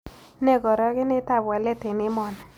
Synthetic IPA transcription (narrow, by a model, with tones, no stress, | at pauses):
nɛ˦˨ɡɔ˨ɾɔ˦kɪ˦nɪ˦ta˦˨bwa˨lɛ˦te˨nɪ˦mɔ˨na˨